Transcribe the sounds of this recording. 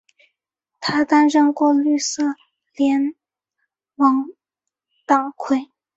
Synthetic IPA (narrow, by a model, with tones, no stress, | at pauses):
t̪ʰa˥t̪a˥nʂɤ˥˧ŋkwɔ˥˧ly˥˧sɤ˥˩ | ljɛ˧˥n | wɑ˧˥ŋ | t̪ɑ˨˩ŋkʰwe˥˩ɪ